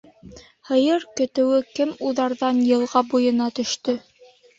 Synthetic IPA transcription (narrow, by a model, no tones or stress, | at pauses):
hɤ̆jɤɾkɵ̆t̪ɘ̆wɘkɘmuðɑɾðɑnjɤ̆lˠʁɑbujɤ̆nɑt̪ɵ̆ʃt̪ɵ